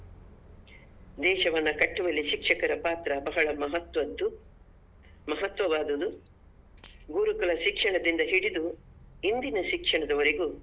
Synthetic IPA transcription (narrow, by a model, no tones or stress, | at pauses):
d̪ɛːʃɐʋɐnːɐkɐʈːuʋɐlːiʃikʂɐkɐɾɐpaːt̪ɾɐbɐɦɐɭɐmɐɦɐt̪ʋɐd̪ːu | mɐɦɐt̪ʋɐʋaːd̪ɐd̪u | ɡuːɾukɐɭɐʃikʂɐɳɐd̪ind̪ɐɦiɽid̪u | ind̪inɐʃikʂɐɳɐd̪ɐʋɐɾeɡuː